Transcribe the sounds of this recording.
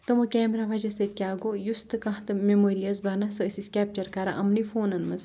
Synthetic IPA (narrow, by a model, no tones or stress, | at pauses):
t̪omɐkɛːmɾaːʋɐd͡ʒɐset̪̚ʲkʲaːɡoːjust̪ɨkɐ̃ɦt̪ɨmemoːɾiɐsbɐnɐsɨːsiskʲɛːp̚t͡ʃɐɾkɐɾɐ̰ʔɐmnifoːnɐnmɐs